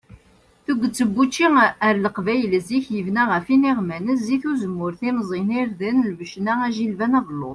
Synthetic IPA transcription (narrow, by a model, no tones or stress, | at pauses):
θuɡʷːət͡sːəbːut͡ʃːiəɾləqvæjələziçjəvnæʁəfiniʁmænəs̬ːiθuzəmːʊɾθimzˤiniɾðənlvəʃnææʒilvænɑðlːʊ̰ðˤ